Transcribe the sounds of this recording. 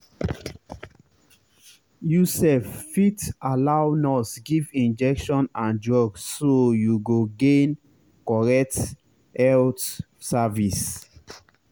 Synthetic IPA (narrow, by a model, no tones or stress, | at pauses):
jusɛfːitalawnɔsɡivĩnd͡ʒɛkʃɔ̃nãnd͡ʒɹɔɡssojuɡoɡẽn | kɔɹɛk̚t | hɛlt | savis